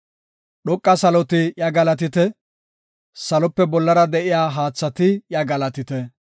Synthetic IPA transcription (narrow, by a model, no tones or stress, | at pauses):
ɗɔkʼːɐsɐlɔt̪ɪjɐɡɐlɐt̪ɪt̪ɛ | sɐlɔpːɛbɔlːɐɾɐd̪ɛʔɪjaːɦaːt͡sːɐt̪ɪjɐɡɐlɐt̪ɪt̪ɛ